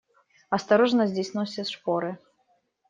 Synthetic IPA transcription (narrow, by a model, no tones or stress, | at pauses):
ɐst̪aɾɔʐnɐzʲd͡zʲisʲnɔwsʲɛsʂpɔɾɨ